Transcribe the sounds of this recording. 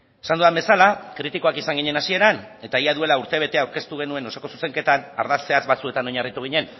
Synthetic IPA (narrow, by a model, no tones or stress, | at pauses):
esand̪uðambe̞salakɾit̪iko̞akisaŋɡiɲe̞nasie̞ɾane̞t̪aiaðue̞lauɾt̪e̞β̞e̞t̪e̞awɾke̞st̪uɣ̞e̞nue̞no̞soko̞su̥se̞ŋke̞t̪ana̰ɾðast͡se̞azβat͡sue̞t̪ano̞ɲarit̪uɣ̞iɲe̞n